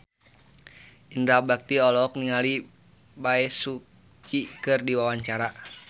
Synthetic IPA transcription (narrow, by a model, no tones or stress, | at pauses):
indɾabak̚t̪iɔlɔk̚niŋali | baɛsu | t͡ʃikɨrdiwawaɲt͡ʃaɾa